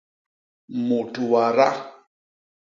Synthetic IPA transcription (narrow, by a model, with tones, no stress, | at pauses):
mu˨tu˨wa˨ɾa˦